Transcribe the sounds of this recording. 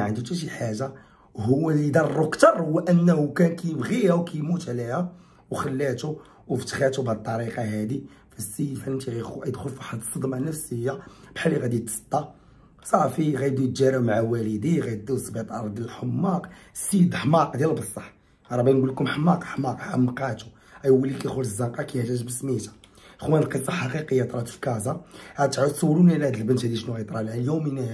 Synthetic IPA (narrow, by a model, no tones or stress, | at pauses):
ʕənd̪ut̪æʃ̬iħaʒa | hʊwːælid̪ɑrˤːukt̪ɑɾˤhʊwːæʔənːhukænkæjəbɣiæwkæjmut̪ʕlihæ | wxəlːæt̪u | wft̪xæt̪ubʕd̪̚t̪ˤːɑɾiqɑɦæd̪i | fæsifʕlənt̪iɣæjjəd̪xʊlfaħɑd̪sˤːəd̪mɑnəfsəjːab̥ħalːiɣæd̪it̪sˤt̪ˤːɑ | sˤɑʕfiɣæjd̪ujt̪ʒæɾəbmaʕawælid̪iɣæjd̪usˤbet̪ˤɑɾˤd̪jæləlħəmːɑqsid̪ħmɑqd̪jællbəsˤːɑħ | ɾˤɑbinɡulkʊmħmːɑqħmːɑqħamːqæt̪u̥ | ʔæjwːəlːikæxʊləzːɑqɑkæjhʒæʒbəsmit̪ḁ | xwænəlqəsˤːɑħɑqiqəjːɑt̪ˤɾˤɑt̪fkæzɑʕæt̪ʕət̪sˤɑwːɾumnilhæd̪əlbənt̪hæd̪iʃnuɣæjt̪ˤɾˤɑlæljumin